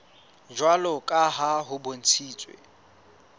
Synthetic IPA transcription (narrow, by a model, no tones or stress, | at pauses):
d͡ʒwalɔkʼaɦaɦʊbon̩t͡sʰiːt͡sʼwḛ